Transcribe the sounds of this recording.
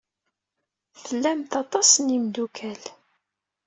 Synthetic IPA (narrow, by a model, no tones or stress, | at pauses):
θəlːæmt̪ɑt̪ˤɑsənimd̪ukʰæl